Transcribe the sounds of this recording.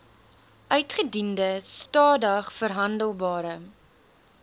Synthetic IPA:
ʔœɥtχədindəstɑːdəχfərɦɐndəlˠbɑːɾə

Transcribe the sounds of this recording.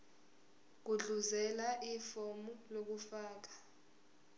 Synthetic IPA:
k̬uɮuzɛlaʔifɔmulok̬ufaːk̬ḁ

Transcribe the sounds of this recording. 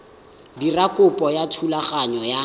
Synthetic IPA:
dirakʼʊpʼɔjatʰulaχaɲɔja

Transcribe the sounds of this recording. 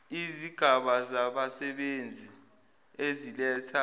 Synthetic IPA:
iziɡ̥ʱaɓazaɓasɛɓend͡zʱi | ezilɛtʰa

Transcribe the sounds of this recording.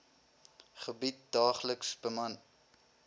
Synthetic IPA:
χəbit̚dɑːχləksbəmɐn

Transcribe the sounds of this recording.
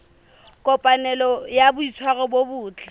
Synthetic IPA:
kʼɔpʼanɛlɔjabʊisʰwaɣɔbobʊːt͡ɬʰʼɛ̥

